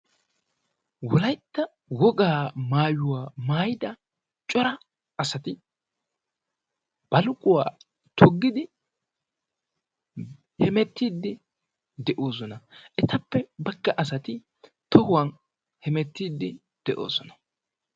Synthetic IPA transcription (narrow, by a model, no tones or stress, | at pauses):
wɔlɐjt̪ːɐ | wɔɡaːmaːjʊwaːmaːjɪd̪ɐ | t͡ʃʼɔɾɐ | ɐsɐt̪ɪ | b̥ɐlʊkʼʊwaː | t̪ʰɔɡːɪd̪ɪ | hɛmɛt̪ːiːd̪ːɪ | d̪ɛʔoːs̬ɔnɐʔɛt̪ɐpːɛbɐɡːɐʔɐsɐt̪ɪ | t̪ɔhʊwɐn | hɛmɛt̪ːiːd̪ːɪ | d̪̥ɛʔo̰ːsɔnɐ̥